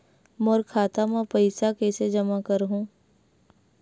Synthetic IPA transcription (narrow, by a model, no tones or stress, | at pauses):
moːɾkʰaːt̪amãpɐɪsakeːsed͡ʒɐmakəɾɦũː